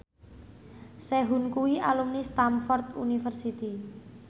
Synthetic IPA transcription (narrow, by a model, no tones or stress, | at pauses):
sɛɦunkuwiʔalumnist̪amfɔrt̪ṵnifərsit̪i